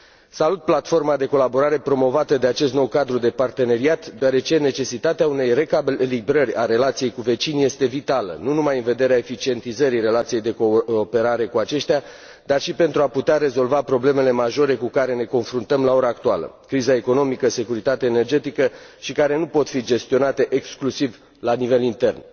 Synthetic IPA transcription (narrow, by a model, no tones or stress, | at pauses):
salut̪̚plat̪fo̞rmad̪e̞ko̞labo̞ɾaɾe̞pɾo̞mo̞vat̪əd̪eat͡ʃe̞s̬t̪no̞wkad̪ɾud̪e̞part̪e̞ne̞ɾiat̪d̪eaɾe̞t͡ʃe̞ne̞t͡ʃe̞sit̪at̪eaune̞jre̞kalibɾərʲaɾe̞lat̪sije̞jkuve̞t͡ʃinje̞st̪e̞vit̪alə̰nunumajɨnve̞d̪e̞ɾeaefit͡ʃie̞nt̪izəɾire̞lat̪sije̞jd̪eko̞ːpe̞ɾaɾe̞kuat͡ʃe̞ʃt̪ea | d̪arʃipe̞nt̪ɾuaput̪eaɾe̞zo̞lvapɾo̞ble̞me̞le̞maʒo̞ɾe̞kukaɾe̞ne̞ko̞nfɾunt̪əmlao̞ɾaːk̚t̪ualə̰kɾizae̞ko̞no̞mikəse̞kuɾit̪at̪eaene̞rd͡ʒe̞t̪ikəʃikaɾe̞nupo̞t̪fid͡ʒe̞st̪io̞nat̪e̞ʔeksklusiv | lanive̞lint̪e̞rn